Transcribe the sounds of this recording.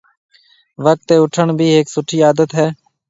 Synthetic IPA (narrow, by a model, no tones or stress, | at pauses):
ʋək̚t̪eːʊʈʰəɳbʱiːɦeːksʊʈʰːiːaːd̪ət̪ɦɛː